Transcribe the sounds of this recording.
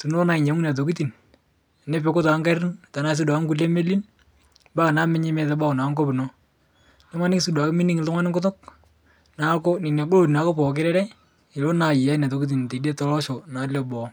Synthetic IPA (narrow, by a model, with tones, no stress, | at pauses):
tu˨no˦na˨ɪ˨ɲa˨˦ŋu˦na˨t̬o˨ki˦ti˨n˨ | ne˦pe˨kʊ˦tɔ˨a˦ŋka˦ɾɪ˦n˨ta˨na˦s̬ɪ˦dŋku˦le˦me˦li˦n | ba˦˨na˦mɪ˦ɲɪ˦mɛ˦˨tɛ˦ba˦˨kna˨˦ŋko˦pɪ˨nɔ˦ | nɛ˦ma˦nɪ˦ksɪ˦da˨kɪ˦mi˦ni˦ŋɪ˨ltʊ˦ŋa˦nɪ˦ŋkʊ˦t̬ʊ˦k̚ | na˨˦ko˦nɪ˨nɛ˨ɡʊ˦lo˦˨ti˨na˨ko˦pɔ˨k̬ɪ˦ɾɛ˦ɾɛ˦ | ɪ˨lo˦na˨ja˦na˨t̬o˨ki˦t̬i˨n˨te˨de˦tɔ˦lɔ˦ʃo˨na˨lɛ˦bɔ˨˦